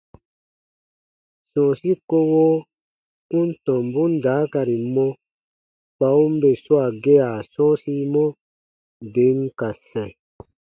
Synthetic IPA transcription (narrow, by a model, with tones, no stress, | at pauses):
sɔ̃ː˨si˦ko˦woː˦ | u˦n˦tɔ̃˨m˨bu˦n˦daː˨˦ka˨ɾi˨mɔ̃˦ | k͡pa˨˦u˦m˦be˨su˦a˨ɡe˦a˨sɔ̃ː˦si˦mɔ̃˦ | be˨˦ŋ˦ka˨sɛ̃˨